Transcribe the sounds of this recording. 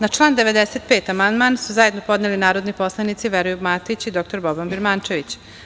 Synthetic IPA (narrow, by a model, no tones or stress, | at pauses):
nat͡ʃlˠaːnd̪e̞ʋe̞d̪eset̪peːt̪amand̪maːnsuzaje̞d̪no̞po̞d̪nelinaːɾo̞d̪nipo̞slˠanit̪siʋeɾojubmat̪it͡ɕid̪o̞k̚t̪oɾbobanbiɾmant͡ʃe̞ʋit͡ɕ